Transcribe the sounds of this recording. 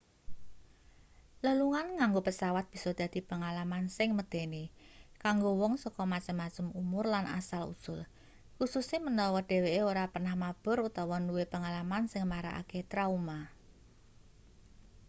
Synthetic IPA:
ləluŋanŋaŋɡopəsawat̪̚b̥i̤sɔd̪̥a̤d̪̥i̤pəŋalamansɪŋməd̪̥e̤ne | kaŋɡowɔŋsɔkɔmat͡ʃəmːat͡ʃəmumʊrlana̰salṵsʊl | kususemənɔwɔɖ̪̥e̤weʔeoɾapənahmab̥ʊ̤ɾut̪awɔnuwepəŋalamansɪŋmaɾa̰ʔa̰ket̪ɾauma

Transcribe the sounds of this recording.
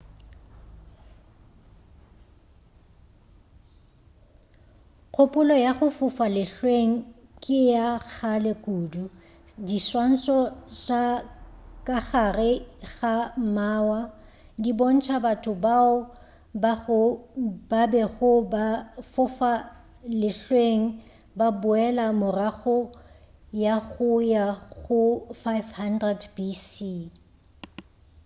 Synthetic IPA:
q͡χʰʊpʼʊlɔjaχʊfʊfalɪɬweŋ̩kʼɪjaɣalekʼuːdu | diswan̩sɔt͡ʃa | kʼaχarɪɣamaːwa | dibon̩t͡ʃʰabatʰʊbaʊ | b | babɛɣʊbafʊfa | lɪɬweŋ̩ | babʊɛlamʊraɣʊ | jaɣʊjaɣʊfajfhandrɛdbisi

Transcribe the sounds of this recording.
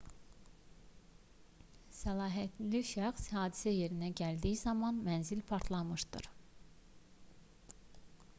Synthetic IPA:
sælˠɑːɦæt̪liʃæxshɑːd̪i̥sæje̞ɾinæɟæld̪ijizɑmɑnmænzilpʰɑɾt̪ʰlˠɑmɯʃd̪̥ɯ̰ɾ

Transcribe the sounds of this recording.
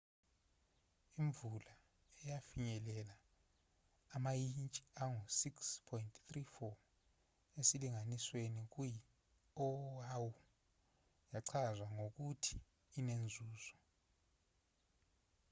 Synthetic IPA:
iɱvula | ɛjafiɲɛlɛla | majint͡ʃʼiaŋusikspʰɔintʰθrifɔ | esiliŋaniswenik̬uji | ɔawu | jaǀʰazwaŋok̬utʰi̥ː | nend͡zʱuːzɔ

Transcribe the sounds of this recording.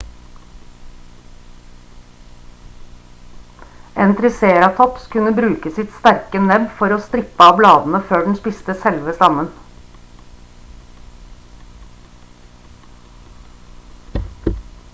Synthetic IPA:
ʔeːnt̪ʰɾɪseːɾɑt̪ʰɔpskʉnəbɾʉːkəsɪt̪st̪æɾkənɛbfɔɾoːst̪ɾɪpəɑːʋblɑːd̪n̩əføːɖɳ̩spɪst̪əsɛlʋəst̪ɑmən

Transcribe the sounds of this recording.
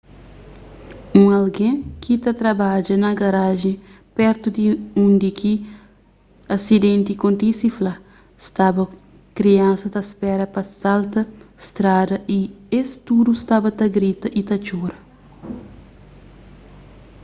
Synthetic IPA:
ũɐlɡẽkʰit̪ɐt̪ɾɐbad͡ʒɐnɐɡɐɾaʒẽpɛɾt̪ud̪iũnd̪iki | ɐsid̪ẽnt̪ikõnt̪isifla | st̪abɐ | kɾiɐ̃nsɐd̪ɐspɛɾɐpɐsalt̪ɐst̪ɾad̪ɐʔiest̪ud̪ust̪abɐt̪ɐɡɾit̪ɐʔit̪ɐt͡ʃuɾɐ

